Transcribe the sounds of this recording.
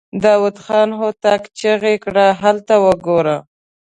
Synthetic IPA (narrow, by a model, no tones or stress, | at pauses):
d̪ɑwʊd̪xɑnɦot̪akt͡ʃəɣekɽaɦalt̪awəɡoɾa